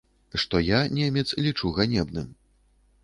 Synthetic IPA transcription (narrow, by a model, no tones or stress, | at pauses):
ʂt̪ɔjanʲɛmʲɛt̪slʲit͡ʂuɣanʲɛbnɨm